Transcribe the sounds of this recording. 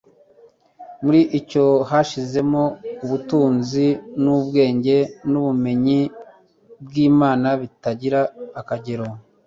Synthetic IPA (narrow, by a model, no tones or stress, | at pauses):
muɾiʔico̞haʃize̞mouβutuːnzinubɡe̞ːɲɟe̞nuβume̞ɲi | b̚ɡiːmaːnaβitaɟiɾaːkaɟeɾo